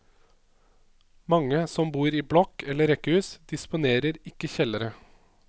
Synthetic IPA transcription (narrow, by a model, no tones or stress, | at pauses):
mɑŋəsɔmbuːɾiːblɔkʰɛləɾɛkəʉːsd̪ɪspʊneːɾəɾɪkəçɛləɾə